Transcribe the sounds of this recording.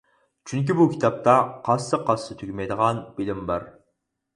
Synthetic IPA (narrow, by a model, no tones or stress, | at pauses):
t͡ʃʰyŋk̬ʲibukʲʰi̥t̪ʰɑp̚t̪ʰɑqʰɑsːɨqʰɑsːɨt̪ʰykʲymɛjd̪əʁɑnb̥ɪlɪmbɑɾ